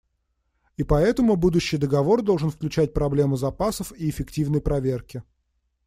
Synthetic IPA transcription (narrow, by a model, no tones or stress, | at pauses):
ipɐɛt̪əmʊbud̪ʊɕːɪjd̪əɡɐvo̞rd̪olˠʐɨnfklʲʉt͡ɕæt̚ʲpɾɐblʲe̞mʊzɐpasəfiɪfʲɪktʲivnəjpɾɐvʲerkʲɪ